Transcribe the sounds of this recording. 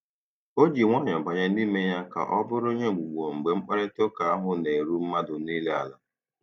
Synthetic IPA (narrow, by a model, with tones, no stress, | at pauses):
o˦d͡ʒi˨ŋʷa˦˨ɲɔ˨ɡ͡ba˨ɲa˦niː˦me˦ja˦ka̰˨ʔɔ˦bʊ˦ɾʊ˦ɲe˦˨ɡ͡bu˨ɡ͡bo˨ŋ͡m̩˨ɡ͡be˨ŋ͡m̩˦k͡pa˦ɾe˦to˦ka˨a˦ɦʊ˦ne˨ɾu˦m̩˦ma˦dʊ˨ni˦le˦a̰˨la˦